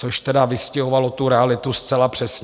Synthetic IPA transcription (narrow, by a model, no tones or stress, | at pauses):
t͡soʃt̪ɛdavɪscɛɦovalo̞t̪uɾɛalɪt̪ust͡sɛlapr̝̥ɛsɲ